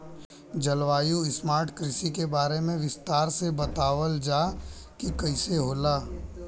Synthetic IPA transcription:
d͡ʒɐlʋaːjuɪsmaːɾʈkɾɪsikebaːɾemẽʋɪst̪aːɾsebɐt̪aːʋəld͡ʒaː | kikɐɪseɦoːlaː

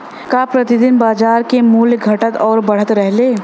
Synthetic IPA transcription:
kaːpɾɐt̪ɪd̪ɪnbaːd͡ʒaːɾkemuːlɡʱɐʈət̪ɔːɾbɐɽ̤ət̪ɾɛɦleː

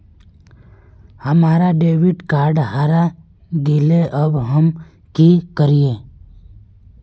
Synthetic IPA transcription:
həmaːɾaɖeːʋɪɖkaːɾɖɦaːɾa | ɡileʔəbɦəm | kikəɾiẽː

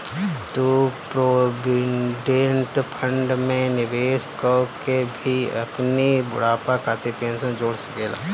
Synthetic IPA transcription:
t̪opɾoːbɪɖẽɳʈpʰə̃ɳɖmẽnɪʋeːskəkebʱiɐpnibʊ̰ɽaːpakaːt̪epẽːnsə̃nd͡ʒoːɽsɐ̥keːla̰ː

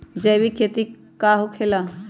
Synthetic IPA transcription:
d͡ʒɛjbikʰet̪i | kːaɦokʰela

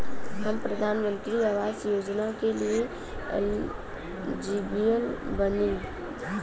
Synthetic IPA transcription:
həmpɾəd̪ʱaːnmə̃nk̪ɾiaʋaːzjoːd͡ʒnakelie | ɛ̰l | d͡ʒibijəlbənĩ

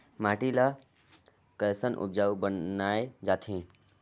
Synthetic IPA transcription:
maːʈila | kəjsənʔʊ̰b̚d͡ʒaːubənnaːed͡ʒaːt̪ʰẽː

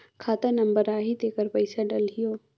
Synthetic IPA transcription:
kʰaːt̪anɐ̃mbəɾaːɦid̪eːkəɾpɐɪsaɖɐlɦijoː

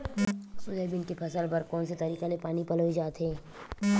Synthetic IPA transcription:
sʊlebɪnkepʰɐsəlbɐɾkɔːnset̪ɐɾiːqalepaːnipɐloid͡ʒaːt̪ɦeː

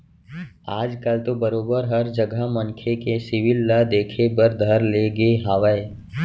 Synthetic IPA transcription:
aːd͡ʒkɐlt̪obɐɾoːbəɾɦɐɾd͡ʒəɡʱamɐnkʰekesɪʋɪlːad̪eːkʰebəɾd̪ʱɐɾleːɡeɦaːʋəe

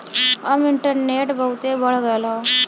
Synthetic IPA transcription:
amiɳʈəɾneʈbʱəwt̪ebəɭɡajla

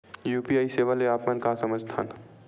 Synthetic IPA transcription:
juːpiaːiseʋəleaːpmənkasəməd͡ʒt̪ʰa̰ːn

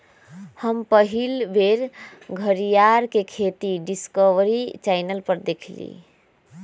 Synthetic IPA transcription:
həmpəɦilbʱeɾɡʱəɾijaɾkekʰet̪iɖiskəʋɾit͡ʃaɪnəlpəɾd̪ekʰlḭ

